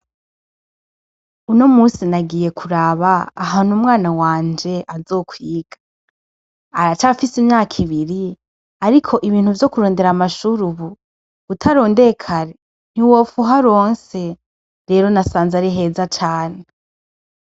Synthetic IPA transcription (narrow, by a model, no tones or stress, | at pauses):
uno̞muːsinaɡiːje̞kʰuɾaβaːɦaːn̥umŋaːnawaːnd͡ʒe̞ʔazo̞ːkʰwiːɡ̥a | aɾat͡ʃafisimɲaːkʰiβiɾi | aɾikʰo̞ʔiβiːn̥huvjo̞kuɾoːnde̞ɾamaʃuɾuβu | utʰaɾo̞ːnde̞kʰaɾe | n̥iwoːfuɦaɾoːnse̞ | ɾe̞ːɾo̞nasaːnzaɾiɦe̞ːzat͡ʃaːne